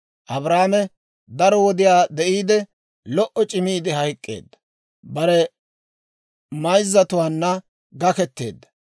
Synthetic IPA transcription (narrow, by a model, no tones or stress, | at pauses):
ʔɐbɾaːmɛ | d̪ɐɾɔwɔd̪ɪjaːd̪ɛʔiːd̪ɛ | lɔʔɔt͡ʃʼɪmiːd̪ɪɦɐjkʼːe̞̰ːd̪ːɐ̥ | bɐɾɛ | mɐjzːɐt̪ʊwaːnːɐ | ɡɐkɛt̪ːeːd̪ːɐ̥